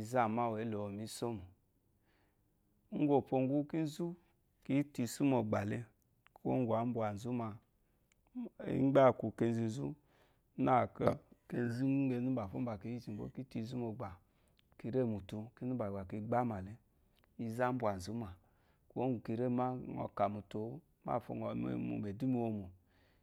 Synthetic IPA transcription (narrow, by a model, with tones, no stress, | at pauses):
i˧za˦˨ma˦wlo˨mi˦so˦mu˨˦ | ŋ̩˦ɡo˨po˧ŋ˦ɡu˦ki˦n˦zu˦ | ki˦ti˧su˦mo˨ɡ͡ba˨le˦ | ko̰˦ŋ˦ɡu˨a˨˦m̩˦bwa˨n̩˨zu˦ma˧ | ḭ˦ŋ͡mɡ͡ba˦˨ku˨ke˧n˦zi˧n˦zu˦ | na˦˨ka˧ke˧n˦zi˦e˧˦nu˦ba˨fo̰˦ba˨ki˧˦ji˦t͡ʃi˨bo̰˦ki˦ti˧˨zu˦mo˨ɡ͡ba˨ | ki˧ɾe˦˨mu˨tu˧ki˦nu˦ba˨ɡ͡ba˨ki˧ɡ͡ba˦ma˨le˦ | i˧za˦bʷu˨a˨n˨zu˦ma˨ | ko˦ɡu˨ki˧˨ɾe˦˨ma˦˨ŋɔ̰˧ka˨mu˨to˨˦ | ma̰˦˨fo̰˧˨ŋɔ˨ḛ˨mṵ˨me˨du˦mi˧˦o˧mo˨